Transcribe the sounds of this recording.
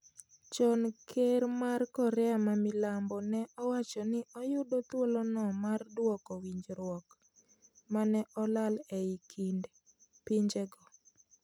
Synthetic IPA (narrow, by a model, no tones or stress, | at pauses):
t͡ʃɔnkʰeɾmarkɔɾɛamamɪlambɔnɛʔɔwat͡ʃɔnɪɔjʊdot̪wolɔnɔmardwɔkɔwiɲd͡ʒɾwɔk | manɛʔɔlalɛikʰind | pɪɲd͡ʒeɡɔ